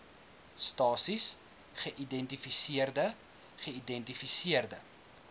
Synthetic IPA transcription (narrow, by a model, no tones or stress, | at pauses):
stɑːsis | χəʔidɛntifisiərdə | χəidɛntifisiərdə